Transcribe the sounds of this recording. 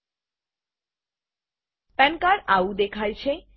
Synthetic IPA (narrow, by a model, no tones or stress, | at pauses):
pɛnkaɾawd̪ekʰajt͡ɕʰe